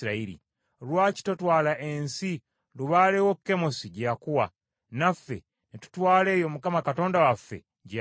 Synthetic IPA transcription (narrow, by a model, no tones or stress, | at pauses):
ɾaiɾḭ | lwaːci̥to̞twaːlaʔensi | luβaːlewokːe̞mosiɟakuwa̰ | nafːe̞̰ | netu̥twaːle̞ːjo̞mukamakato̞ːndawafːe̞̰ | ɟ